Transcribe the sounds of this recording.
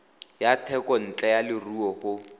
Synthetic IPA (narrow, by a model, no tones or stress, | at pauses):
jatʰɛkɔn̩t͡ɬʼɛjalɪruɔχʊ